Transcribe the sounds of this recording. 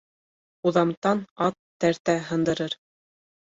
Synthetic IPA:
uðɑmt̪ɑnɑt̪ːæɾt̪æɦɤ̆nd̪ɤ̆ɾɤɾ

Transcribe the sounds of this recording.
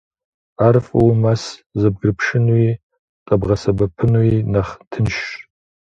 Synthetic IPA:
arfʼɐwmaszɐb̚ɡrɨpʰʂɨnwi | qʼɐbʁɐsɐbɐpʰɨnuinaχtʰɨnʃʼ

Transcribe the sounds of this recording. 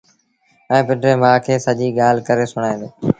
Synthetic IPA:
ɛ̃ːpɪɖɾeːmãːkʰeːsəʄiːɠaːlkəɾeːsʊɽ̃aːẽːnd̪oː

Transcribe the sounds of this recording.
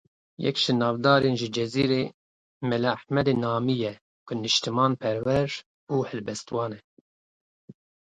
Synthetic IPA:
jɛ̰kʃɨnɑːvd̪ɑːɾenʒɨd͡ʒɛziːɾe | mɛlaħmɛd̪enɑːmijɛ | kʊnɨʃt̪ɨmɑːnpʰɛɾwɛɾ | uːhɨlbɛst̪wɑːnɛ

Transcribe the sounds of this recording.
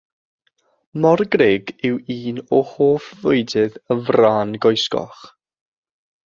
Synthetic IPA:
mɔrɡreːɡɪwiːnɔhoːfvʊjdɪðəvraːnɡɔjskɔ̰χ

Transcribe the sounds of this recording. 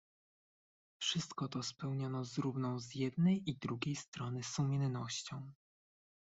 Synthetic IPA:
fʂɘst̪kɔt̪ɔspɛwɲɔnɔzɾuvnɔ̃w̃zjɛd̪nɛjid̪ɾuɡʲejst̪ɾɔnɘsumʲɛnnɔɕt͡ɕɔ̃w̃

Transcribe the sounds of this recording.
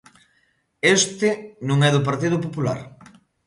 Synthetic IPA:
est̪ɪnũŋɛðop̬aɾt̪ið̞opopula̰ɾ

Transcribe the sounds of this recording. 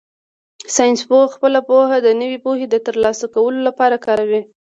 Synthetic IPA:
sɑjnspoxpəlapohad̪ənəwepohed̪ət̪əɾlɑsakawəlolapɑɾakɑɾawi

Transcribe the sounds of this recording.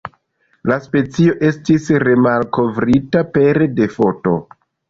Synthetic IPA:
laspe̞t͡sio̞ʔe̞stisɾe̞malko̞vɾitape̞ɾde̞fo̞to̞̰

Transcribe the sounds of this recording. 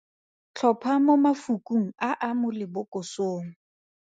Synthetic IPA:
t͡ɬʰɔpʰamomafukʼuŋ̩aʔamʊlɪbʊkʼʊsoːŋ̩

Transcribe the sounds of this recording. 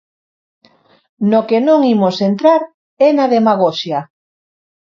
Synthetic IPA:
nokenõŋimosent̪ɾaɾ | ɛnaðemaɣ̞oʃja

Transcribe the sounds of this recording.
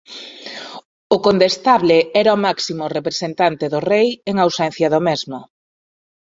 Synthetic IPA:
ʊkont̪est̪aβleɛɾaomaksimʊrepɾesent̪ant̪eðʊrejeŋawsɛn̟θjɐðomezmʊ

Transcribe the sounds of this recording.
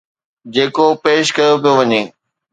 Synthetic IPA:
d͡ʑeːkopeːʃkɐjopijoʋɐɲeː

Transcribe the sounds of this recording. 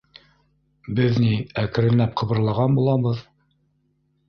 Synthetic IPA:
bɘðniækɘ̆ɾɘ̆nːæp̚qʰɤ̆βɤ̆ɾlˠɑʁɑnbulˠɑβɤð

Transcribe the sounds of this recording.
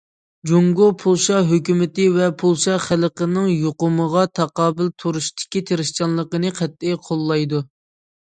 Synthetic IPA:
d͡ʒoŋɡopʰulˠʃɑɦøkʲymɪt̪ɪvɛpʰulˠʃɑχæləqənɨŋjoqʊməʁɑt̪ʰɑqɑːbɪlt̪ʰoɾuʃt̪ʰɪ̥kʲit̪ʰeɾɪʃt͡ʃɑnlˠəqənɨqʰæt̪ʰːɪjqʰolˠːɑjd̪u

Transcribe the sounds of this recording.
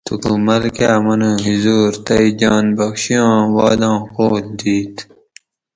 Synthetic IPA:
t̪ʰukumɐlkaːmɐnũɦizuːɾt̪ɐid͡ʑɑːnbɐkɕijɑ̃ːwɑːd̪ɑ̃ːkoːld̪iːt̪

